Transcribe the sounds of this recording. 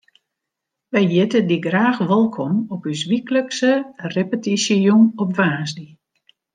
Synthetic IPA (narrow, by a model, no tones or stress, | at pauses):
ʋɛjjɪtədiɡraːxʋɔlˠkʰɔmɔpysʋikləksərepətisəjunɔpʋaːsdi